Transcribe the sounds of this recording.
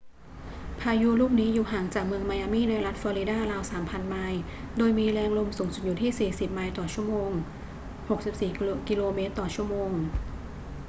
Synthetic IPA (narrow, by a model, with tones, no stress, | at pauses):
pʰaː˧ju˦˥ɾuː˥˩p̚niː˦˥juː˨˩ɦaː˩˦ŋt͡ɕaː˨˩k̚mɯ˧əŋmaː˧jaː˧miː˥˩na˧jɾa˦˥t̪̚fɔː˧ɾi˧˦daː˥˩ɾaː˧wsaː˩˦mpʰa˧nmaː˧j | doː˧jmiː˧lɛː˧ŋlo˧msuː˩˦ŋsu˨˩t̪̚juː˨˩t̪ʰiː˥˩siː˨˩si˨˩p̚maː˧jt̪ɔː˨˩t͡ɕʰu˥˩əmoː˧ŋ | ho˨˩k̚si˨˩p̚siː˨˩ki˧loː˧meː˦˥t̪ːɔː˨˩t͡ɕʰu˥˩əmoː˧ŋ